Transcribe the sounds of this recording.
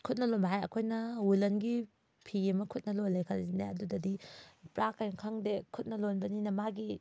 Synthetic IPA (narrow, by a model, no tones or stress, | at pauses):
kʰut̚nɐlonbɐɦajɐ̰kʰojnɐulɐnɡi | pʰiemɐkʰut̚nɐlojlɐjkʰɐlzineɐdudɐdipɾakajnkʰaŋdekʰut̚nɐlonbɐninɐmaɡi